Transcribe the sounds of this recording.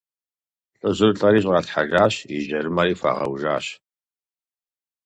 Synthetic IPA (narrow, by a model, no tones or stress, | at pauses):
ɬʼɨʑɨrɬʼɐɾiːɕʼrɑtħaʒaːɕiʒɐɾɨmaɾiːfa̰ːʁɐ̰wʒa̰ːɕ